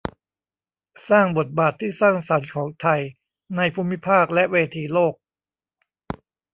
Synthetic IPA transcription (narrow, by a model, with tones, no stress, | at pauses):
saː˥˩ŋbo˨˩t̪̚baː˨˩t̪ʰːiː˥˩saː˥˩ŋsa˩˦nkʰɔː˩˦ŋt̪ʰa˧j | na˧jpʰuː˧mːi˦˥pʰaː˥˩k̚lɛ˦˥ʔweː˧t̪ʰiː˧loː˥˩k̚